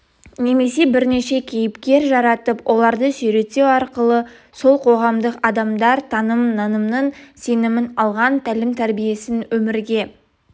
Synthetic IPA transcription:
ne̞me̞se̞bɪɾne̞ʃe̞kʲʰe̞jɪpkʲe̞ɾʒɑɾɑt̪əpwʔo̞lˠɑɾd̪əsʏjɾe̞t̪e̞wɑɾqəlˠə | so̞lˠqʰo̞ʁɑmd̪əqɑd̪ɑmd̪ɑɾt̪ʰɑnəmnɑnəmnəɴse̞nɪmɪnɑlˠʁɑnt̪ʰælɪmt̪ʰæɾbije̞sɪnwɵmɪɾɡʲe̞

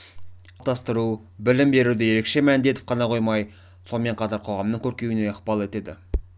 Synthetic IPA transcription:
t̪ɑst̪əɾu | bɪlɪmbe̞ɾud̪ɪje̞ɾe̞kʃe̞mænnd̪e̞t̪ɪp̚qʰɑnɑqʰo̞jmɑj | so̞nˠme̞ɴqʰɑt̪ɑɾqʰo̞ʁɑmnəɴŋkʲʰɵɾkʲe̞wɪne̞əqbɑlˠe̞t̪e̞d̪ɪ̰

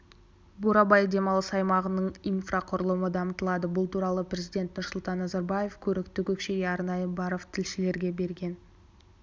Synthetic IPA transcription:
buɾɑbɑjd̪e̞mɑlˠəsɑjmɑʁənəɴijnfraqʰʊɾəlˠəməd̪ɑmət̪əlˠɑd̪əbʊlˠt̪ʰuɾɑlˠəprʲe̞zijd̪ʲe̞nt̪nʊɾsʊlˠt̪ɑnːɑzɑɾbaje̞fkʲʰɵɾɪkt̪ɪkʲʰɵkʃe̞ɡʲeɑɾnɑjəbɑɾoft̪ʰɪlʃɪle̞ɾɡʲe̞be̞ɾɡʲe̞n

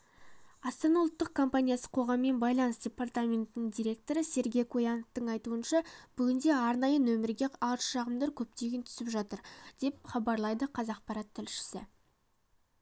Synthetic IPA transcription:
ɑst̪ɑnɑʊlˠt̪ːəq̚kʰo̞mpanʲijasə̥qʰo̞ʁɑmːe̞nbɑjlˠɑnəsdʲe̞part̪amʲe̞nt̪ɪnɪŋd̪ʲijɾʲe̞k̚t̪o̞ɾəse̞ɾɡʲe̞jkʰojɑnəft̪əɴɑjt̪uənʃɑb̥ʏɡʲɪnd̪e̞ɑɾnɑjənɵmɪɾɡʲe̞ɑɾʃɑʁəmd̪ɑɾkʲʰɵp̚t̪e̞ɡʲɪnt̪ʰʏ̥sɪpʒɑt̪əɾd̪̥e̞p̚χɑbɑɾlˠɑjd̪əqʰɑzɑq̚pɑɾɑt̪ʰːɪlʃɪ̥sɪ̰

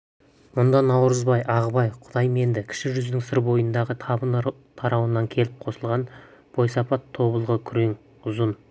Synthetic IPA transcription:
mʊnd̪ɑnɑwɾəzbɑjʔɑʁəbɑjqʰʊd̪ɑjme̞nd̪ɪkʲʰɪ̥ʃɪʒʏzd̪ɪŋsɪɾbo̞jənd̪ɑʁət̪ʰɑən | t̪ʰɑɾɑwənːɑŋkʲʰe̞lɪp̚qʰo̞səlˠʁɑnb̥o̞jsɑpɑt̪ʰːo̞bəlˠʁəkʲʰʏɾeŋ | ʊzən

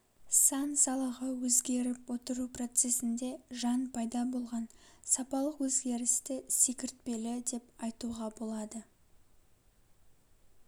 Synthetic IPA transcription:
sɑnsɑlˠəʁəwɵzɡʲe̞ɾɪpwo̞t̪əɾupro̞t̪se̞sɪnd̪e̞ʒɑnpʰɑjd̪ɑbo̞lˠʁɑnsɑpɑlˠəqwɵzɡʲe̞ɾɪst̪ɪse̞kʲɪɾt̪̚pe̞lɪd̪e̞pɑjt̪uʁɑbo̞lˠɑd̪ə

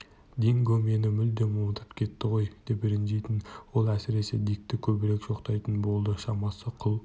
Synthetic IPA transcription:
d̪eŋɡʲɵme̞nɪmʏld̪e̞nmomət̪ʰə̥pkʲʰe̞t̪ːɪʁo̞jd̪̥e̞pɪɾɪnʒejt̪ɪnwo̞lˠæsɪɾe̞se̞d̪ijk̚t̪ɪkʲʰɵbɪɾe̞kʒo̞qt̪ɑjt̪ənbo̞lˠd̪əʃɑmɑsəqʰʊlˠ

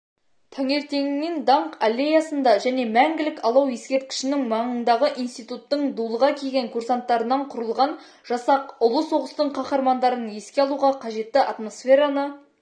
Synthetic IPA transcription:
t̪ʰɑŋe̞ɾt̪e̞ŋɪnɪnd̪ɑɴqalʲːe̞jɑsənd̪ɑʒæne̞mæŋɡʲɪlɪkɑlˠɑwje̞skʲe̞ɾt̪̚kʲɪ̥ʃɪnɪŋmɑɴənd̪ɑʁəʔijnst̪ijt̪ut̪ːəɴd̪ulˠəʁɑkʲʰelʲɡʲe̞ŋkʰursant̪ːɑɾənɑɴqʰʊɾəlˠʁɑn | ʒ̥ɑsɑqʊlˠəso̞ʁəst̪əɴqʰɑχɑɾmɑnd̪ɑɾənje̞skʲe̞ɑlˠuʁɑqʰɑʒe̞t̪ːɪʔɑt̪mo̞sfʲe̞ɾanə

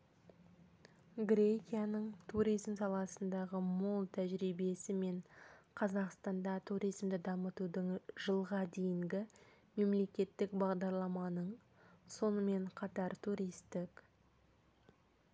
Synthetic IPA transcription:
ɡɾʲe̞kʲijɑnəɴt̪ʰuɾijzmsɑlˠɑsənd̪ɑʁəmolˠt̪ʰæʒɾijbe̞sɪme̞ɴqʰɑzɑqst̪ɑnd̪ɑt̪ʰuɾijzmd̪ɪd̪ɑmət̪ud̪əɴʒəlˠʁɑd̪e̞jɪŋɡʲɪ | me̞mle̞kʲe̞t̪ːɪkbɑʁd̪ɑɾlˠɑmɑnəɴ | so̞nəme̞ɴqʰɑt̪ɑɾt̪ʰuɾijst̪ɪk

